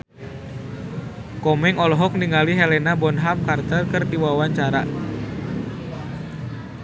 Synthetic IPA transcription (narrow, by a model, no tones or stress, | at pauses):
kɔmɛŋɔlɔɦɔk̚niŋaliɦɛlɛnabɔnɦam̚kart̪ərkərdiwawaɲt͡ʃaɾa